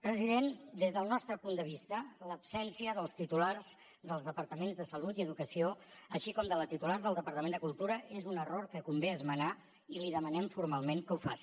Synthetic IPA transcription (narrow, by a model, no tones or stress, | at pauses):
pɾəziðend̪ezðəlˠnɔst̪ɾəpund̪əβist̪ələpsɛnsiəðəlˠst̪it̪ularz̥ | ðəlˠzðəpəɾt̪əmenzðəsəlut̪iəðukəsioəʃikɔmd̪ələt̪it̪ulaɾðəlˠəpəɾt̪əmend̪əkulˠt̪uɾəʔezunəroɾkəkumbeəzməna | iliðəmənɛmfuɾmalˠmeŋkəufa̰si̥